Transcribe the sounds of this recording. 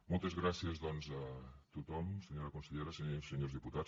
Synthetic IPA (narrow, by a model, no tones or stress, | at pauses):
molˠt̪ɐzɣɾasiɐzðɔnzɐt̪ut̪ɔmseɲoɾɐkõnseʎejɾɐseɲoseɲoɾzðiput̪a